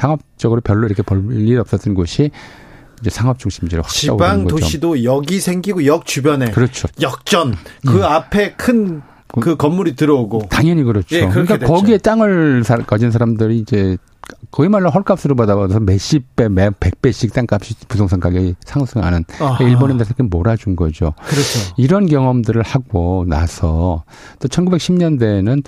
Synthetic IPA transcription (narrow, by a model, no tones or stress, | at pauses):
sʰaŋʌp̚t͡ɕ͈ʌɡɯɾopjʌɭːoiɾʌkʰe̞pʌːiɾʌp̚s͈ʌt͈ɯnɡoɕʰi | ind͡ʑe̞sʰaŋɦʌp̚t͡ɕ͈uŋɕʰimd͡ʑiɾo̰wakia̰bobanŋɡʌtoidojʌɡisʰeŋɡiɡojʌk̚t͡ɕubjʌne̞kɯɾʌt͡ɕʰojʌk̚t͡ɕ͈ʌnkɯapʰe̞kʰɯn | kɯkʌmːuɾitɯɾʌoɡotaŋjʌɲiɡɯɾʌt͡ɕʰokɯɲik͈akʌɡie̞t͈aŋɯɭsʰakad͡ʑinsʰaɾamdɯɾiːd͡ʑe̞ | kʌɡimaɭːanɦʌɭk͈ap̚s͈ɯɾobadaɡosʰʌmeɕ͈ip͈emepe̞k̚p͈e̞ɕ͈ik̚t͈aŋk͈ap̚ɕ͈ipusʰoŋsʰaŋkʰaɡisʰaŋsʰɯŋɦa̰nɯneiɭbonendesʰakemoɾad͡ʑunɡʌd͡ʑo̰kɯɾʌoiɾʌnkjʌŋʌmdɯɾɯɭhaɡona̰sʰʌ | t͈ot͡ɕʰʌnɡube̞k̚ɕʰimɲʌnde̞nɯn